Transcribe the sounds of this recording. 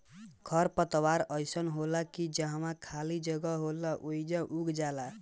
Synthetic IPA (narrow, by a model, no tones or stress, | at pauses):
kʰəɾpət̪waɾəjsənɦolakid͡ʒə̃ɦəmakʰalid͡ʒəɡəɦolaʔoid͡ʒə̃ʔuɡd͡ʒala